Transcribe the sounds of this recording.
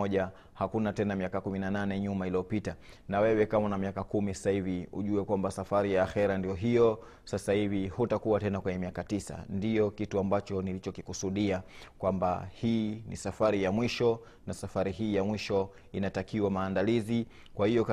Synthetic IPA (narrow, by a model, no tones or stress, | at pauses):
ɔʄa | hakunatɛnamiakakuminananɛɲumailiɔpita | nawɛwɛkamanamiakakumisḁsahiviṵʄuɛkwambasafaɾijaːxɛɾandijɔɦijɔ | sasahivihutakuwatɛnakwɛɲɛmiakatisa̰ndijɔkituambat͡ʃɔnilit͡ʃɔkikusuɗiakwamba̰hiːnḭsafaɾijamwiʃɔ | nasafaɾiɦiːjamwiʃɔ | inatakiwamaːndalizi | kwahijɔka